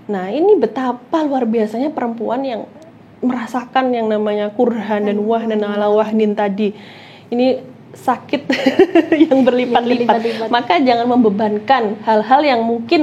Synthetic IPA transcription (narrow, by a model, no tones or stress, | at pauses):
nahinibət̪apaluarbiasaɲapəɾəmpuanjaŋ | məɾasakanjaŋnamaɲakurɦandanwaɦnɪnalawaɦnɪnt̪adi | ini | sakɪt̪̚jaŋbərlipat̪lipat̪makad͡ʒaŋanməmbəbankanhalɦaljaŋmuŋkɪn